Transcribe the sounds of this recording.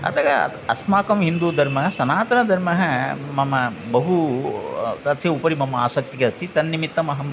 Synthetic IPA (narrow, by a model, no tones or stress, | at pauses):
ɐ̰t̪ʰɐɡɐ | ɐsmaːkɐmɦind̪uːd̪ʱɐɾmɐɦɐsɐnaːt̪ɐnɐd̪ʱɐɾmɐɦɐmɐmɐbɐɦu | t̪ɐt̪ʰsɐupɐɾimɐmɐa̰ːsɐk̚t̪ikeɐst̪ʰit̪ɐnːimit̪ːɐmɐɦɐm